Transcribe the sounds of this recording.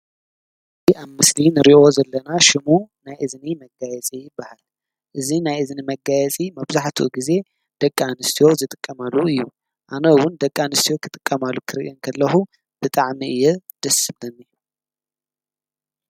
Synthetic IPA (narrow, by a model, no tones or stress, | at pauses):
ɨziaβmɨslinɨɾiʔo̞zɐlːɐnaʃɪmunajʔɨznimɐɡajɛt͡sʼijɪbːahal | ʔɨzinajɨznimɐɡajɛt͡sʼimɐβzaħt̪ʰṵɡize̞ | d̪̥ɐkʼːanɨst̪ʰijo̞zɨt̪ʼɨ̥kʼːɐmalːuɨjːu | ʔanɐwʊnd̪ɐkʼːanɨst̪ʰijo̞kʰɨt̪ʼɨkʼːɐmalːukʰɨɾiʔinkʰɐlːɐxu | b̥ɨt̪ʼaʕmiɨjːɛd̪̥ɐsɨblɐnːij